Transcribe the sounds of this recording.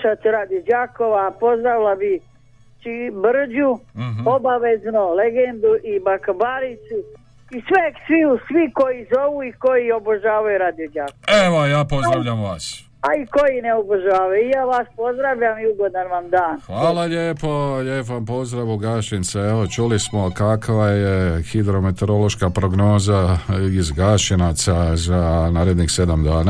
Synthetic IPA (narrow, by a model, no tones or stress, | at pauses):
ʃat̪eɾaːd̪ijod͡ʒaːko̞ʋapo̞zd̪ɾaʋlabi | t͡ʃibr̩d͡ʒuo̞baʋe̞znoleɡend̪uʔibakabaɾisu | isʋeksʋiusʋiko̞jizo̞ʋuːikojio̞boʒaːʋajuɾaːd̪ijod͡ʒaːkoeʋojaːpozɾaʋʎʲamʋaːs | aikojineoboʒaːʋaijaːʋaːspo̞zd̪ɾaʋʎamiuɡod̪nanʋamd̪aːnxʋaːlˠaʎeːpo̞ʎeːp̬oampo̞zd̪ɾaʋuɡaːʃensaeʋo̞t͡ʃulismo̞kakʋajexid̪ɾo̞me̞t̪e̞ɾo̞lo̞ʃkapɾo̞ɡno̞ːzaizɡaːʃenat̪sazanaːɾe̞d̪nixse̞d̪amd̪aːna